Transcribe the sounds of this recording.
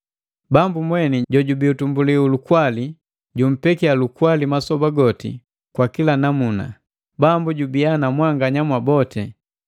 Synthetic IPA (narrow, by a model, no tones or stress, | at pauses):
bambumwɛniɟɔɟubiutumbuliulukwali | ɟum̩pɛkialukwalimasɔbaɡɔtḭ | kwakilanamuna̰ | bambuɟubianamwaŋɡaɲamwabɔtɛ